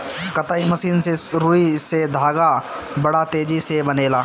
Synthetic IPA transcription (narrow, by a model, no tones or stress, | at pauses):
kɐt̪aːimɐsiːnsesɾuːised̪ʱaːɡa | bɐɽat̪eːd͡ʒisebɐneːlaː